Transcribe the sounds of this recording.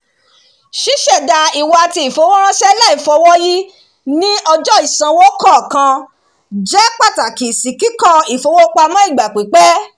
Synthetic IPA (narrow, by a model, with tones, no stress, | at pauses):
ʃi˦ʃɛ˦˨da˧i˨wa˨˧˨ti˧i˨fo˨˧˦wɔ˦ɾ̃ã˦ʃɛ˦la˦i˨fɔ˧wɔ˦ji˦ | nĩ˦ʔɔ˧d͡ʒɔ˦i˨sã˧wo˦kɔ˦˨kã˧ | d͡ʒɛ˦k͡pa˦˨ta˨ki˨si˨ki˨˦kɔ̃˦˧i˨fo˨˧˦wo˦k͡pa˧mã˦i˦˨ɡ͡ba˨k͡pi˨˦k͡pɛ˦